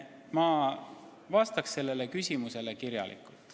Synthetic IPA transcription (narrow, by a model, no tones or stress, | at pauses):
mɑ | vɑst̪ɑksːe̞lːe̞lekysʲimuse̞le̞kiɾjɑ̰lʔḭkːˑult̪ˑ